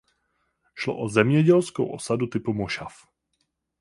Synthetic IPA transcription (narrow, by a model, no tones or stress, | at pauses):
ʃlo̰ʔozɛmɲɛɟɛlskowʔo̞̰sadut̪ɪpumoʃaf